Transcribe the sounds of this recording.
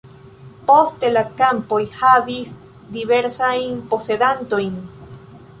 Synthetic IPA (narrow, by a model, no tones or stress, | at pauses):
post̪elakampojhaβis | d̪iβeɾsaimposeðant̪ojn